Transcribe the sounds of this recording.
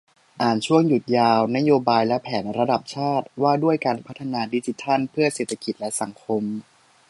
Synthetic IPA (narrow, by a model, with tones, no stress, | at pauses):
ʔaː˨˩nt͡ɕʰu˥˩əŋju˨˩t̪̚jaː˧wna˦˥joː˧baː˧jlɛ˦˥pʰɛː˩˦nɾa˧da˨˩p̚t͡ɕʰaː˥˩t̪̚waː˥˩du˥˩əjkaː˧npʰa˦˥t̪ʰːa˧naː˧di˧˥t͡ɕi˧t̪ʰa˥˩npʰɯ˥˩ɐseː˨˩t̪ʰːa˧ki˨˩t̪̚lɛ˦˥sa˩˦ŋkʰo˧m